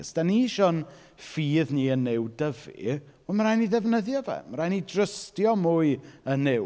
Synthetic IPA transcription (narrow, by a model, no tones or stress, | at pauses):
sd̥aniːʃɔn | fiːðniːənːɪwdəvḭ | ɔməɾajniðɛvnəðjɔvɛ̰məɾaːjnidrəstjɔmuːɨənːɛ